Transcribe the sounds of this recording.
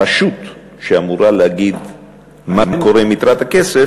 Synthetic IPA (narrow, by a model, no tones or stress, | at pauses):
aʃut̪ | ʃeamuɾaleaɡid̪ | mamkoɾemit̪ɾat̪hakese